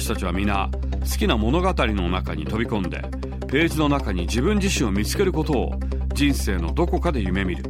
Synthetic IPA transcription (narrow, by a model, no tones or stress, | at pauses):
ɕi̥t̪at͡ɕiβamʲina̰ | sɨ̥kʲinamo̞no̞ɡat̪aɾʲino̞nakaɲ̟it̪o̞bʲikõ̞nd̪e̞̰ | pe̞ːzino̞nakaɲ̟id͡ʑibɯ̟̃ɲ̟d͡ʑiɕĩɰ̃o̞mʲit͡sɨ̥ke̞ɾɯ̟ko̞t̪o̞̰ː | d͡ʑĩɰ̃se̞ːno̞d̪o̞ko̞kad̪e̞jɯ̟me̞mʲiɾɯ̟